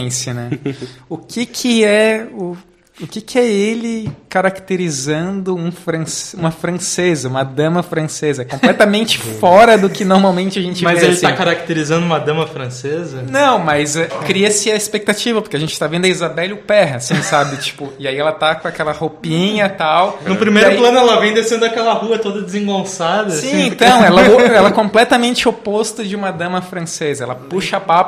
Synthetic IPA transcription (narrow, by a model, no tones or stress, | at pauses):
sɐnɛʊkʰɪkʰɪɛʊ | ʊkɪkɪɛelɪkaɾakt̪eɾizɐ̃nd̪ʊũfɾɐ̃sũmɐfɾɐ̃sezɐũmɐd̪ɐ̃mɐfɾɐ̃sezɐɛkõplɛt̪ɐmẽnt͡ʃɪ̥fɔɾɐd̪ʊkɪnoɾmawmẽnt͡ʃɪɐʒẽnt͡ʃɪmazeelɪsakaɾak̚t̪eɾizɐ̃nd̪ʊũmɐd̪ɐ̃mɐfɾɐ̃sezɐnɐ̃w̃mɐzɛkɾiɐsɪɐispek̚t̪at͡ʃivɐpoɾkeaʒẽnt͡ʃɪ̥t̪avẽnd̪ʊɐizabɛlʊpɛɦasĩsabɪt͡ʃi̥pʊɪaiɛlɐt̪akõakɛlɐhopĩɲɐt̪awnʊpɾimejɾʊpplɐ̃nʊɛlɐvẽj̃d̪eʃẽnd̪ʊakɛlɐhuɐt̪od̪ɐd̪ɪzẽŋɡõsad̪ɐsĩẽnt̪ɐ̃w̃ɛlɐɛlɐɛkõmplɛt̪ɐmẽnt͡ʃɪopost̪ɐd͡ʒɪũmɐd̪ɐ̃mɐfɾɐ̃sezɐɛ̰lɐpuʃɐpap